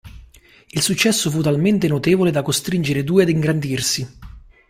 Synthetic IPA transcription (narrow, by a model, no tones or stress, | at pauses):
ilsut͡ʃːɛsːofut̪ːalment̪enot̪eːvoled̪akost̪ɾind͡ʒeɾed̪uːead̪iŋɡɾand̪irsi